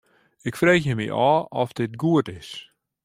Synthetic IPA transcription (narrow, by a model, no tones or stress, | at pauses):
ɪkfreːxjəmḭʔaːɔfdɪt̚ɡuətɪs